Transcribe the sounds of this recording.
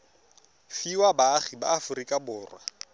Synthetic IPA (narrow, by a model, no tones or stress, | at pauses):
fiwabaχiba̰ːfʊrikʼabʊːrwa